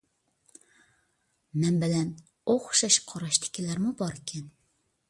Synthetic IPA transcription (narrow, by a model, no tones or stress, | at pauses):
mɛnbɪlɛn | oχʊ̥ʃɑʃqʰɑɾɑʃt̪ʰɪ̥kʲʰilæɾmubɑɾɪkʲʰɛn